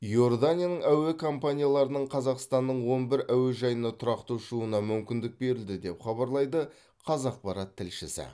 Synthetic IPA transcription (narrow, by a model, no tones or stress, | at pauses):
jo̞rd̪anʲijanəɴæwekʰo̞mpanʲijalˠɑɾənəɴqʰɑzɑqst̪ɑnːəɴwo̞nbɪɾæweʒɑjənɑt̪ʰʊɾɑqt̪uʃuənɑmʏmkʲɪnd̪ɪk̚be̞ɾɪld̪ɪd̪e̞pχɑbɑɾlˠɑjd̪ə | qʰɑzɑq̚pɑɾɑt̪ʰːɪlʃɪsɪ̰